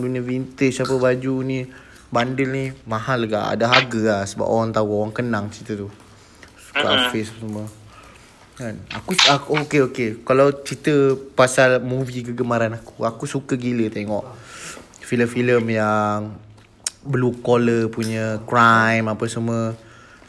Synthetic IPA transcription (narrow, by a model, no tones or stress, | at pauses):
dunəvint̪esapəbad͡ʒuni | bandɪlnimahaləɡa̰ʔa̰daɦaɡəahsəba̰poɣaŋt̪auoɣaŋkənaŋt͡ʃit̪ət̪u | su̥uka̰ʔa̰fesasəmə | kana̰kuakookeokekalawt͡ʃit̪əpasalmuvikəɡəmaɾanakuakusukəɡilət̪eŋɔʔ | filəmfiləmjaŋ | bəlukoləpuɲəkɾajmapəsəmə